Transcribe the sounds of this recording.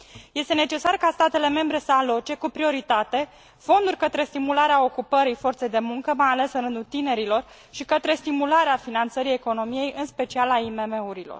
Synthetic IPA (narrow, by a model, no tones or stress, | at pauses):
je̞st̪e̞ne̞t͡ʃe̞sarkast̪at̪e̞le̞me̞mbɾe̞səalo̞t͡ʃe̞kupɾio̞ɾit̪at̪e̞ | fo̞nd̪urʲkət̪ɾe̞st̪imulaɾeao̞kupəɾifo̞rt̪se̞jd̪e̞muŋkəmajale̞sɨnɾɨnd̪ut̪ine̞ɾilo̞r | ʃikət̪ɾe̞st̪imulaɾeafinant̪səɾie̞ko̞no̞mije̞jʔɨnspe̞t͡ʃialaimeme̞uɾilo̰r